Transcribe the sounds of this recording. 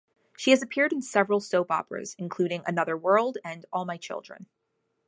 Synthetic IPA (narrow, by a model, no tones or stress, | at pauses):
ʃiɨzɨpʰɪɹɾ̃n̩sɛvɹəlˠsoʊpɑ̰pɹə̰z̥ɨ̃n̩kʰl̥ʉɾɪ̃ŋʔɨ̰nʌðə˞wɜ˞lˠdɨ̃nɔlˠmaɪt͡ʃʰɪ̰lˠdɹɨ̰̃n